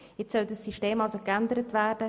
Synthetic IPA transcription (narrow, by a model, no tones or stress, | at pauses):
jɪt͡ssœldəsːiʃteːmɑlzokændəɾətvæːrd̥ə